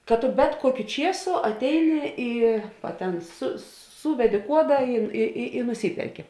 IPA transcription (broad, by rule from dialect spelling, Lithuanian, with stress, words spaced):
kɐt tʊ ˈbʲɛt kuɔˌkʲʊ ˈt͡ʃʲiɛsʊ ɐtʲˈɛɪnʲɪ ˈiː ʋɐ ˈtʲɛn sʊ ˈsuːʋʲɛdʲɪ ˈkuɔdɐ ɪ ɪ ɪ nʊˈsʲiːpʲɛrʲkʲɪ